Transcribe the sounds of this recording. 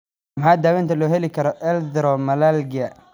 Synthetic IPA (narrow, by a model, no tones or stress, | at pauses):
mħaːd̪aːwɛnt̪ʰɐlɔːɦɛlɪkʰɐɾɔʔɛldɾɔmɐlalɡɪɐ